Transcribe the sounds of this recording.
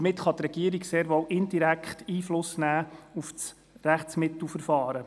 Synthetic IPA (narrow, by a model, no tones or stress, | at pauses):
mɪtχɑt̪rɛɡ̥iəɾiɡseːɾʋɔwʔɪnd̥iɾækχtiːflʊsnæːuft͡s | ræχtt͡smɪt̪l̩ˠfəɾfɑːɾə